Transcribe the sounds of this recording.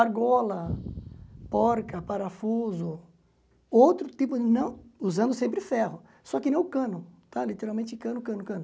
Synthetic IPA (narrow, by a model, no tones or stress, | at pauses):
aɾɡɔlɐ | pɔɾkɐpaɾafuzʊ | owt̪ɾʊt̪ipʊd͡ʒɪnɐ̃w̃uzɐ̃nd̪ʊsẽmpɾɪfɛhʊ | sɔkɪnẽj̃ʊkɐ̃nʊt̪alit̪eɾawmẽnt͡ʃɪkɐ̃nʊkɐ̃nʊkɐ̃nʊ